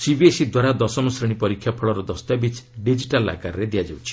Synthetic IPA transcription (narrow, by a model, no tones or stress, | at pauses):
sibiesid̪waɾad̪ɔsɔmɔsɾeɽ̃ipɔɾikʰːjapʰɔɭɔɾɔd̪ɔst̪abit͡ʃɖid͡ʒiʈala̰kaɾɾed̪ijad͡ʒawt͡ʃʰi̥